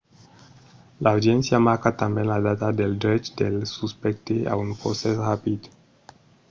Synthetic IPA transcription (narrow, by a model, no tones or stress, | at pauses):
laːwd̪jɛnsiamakat̪ambenlad̪at̪ad̪eld̪ɾɛt͡ʃd̪elsuspɛk̚t̪ea̰unpɾosesrapid̪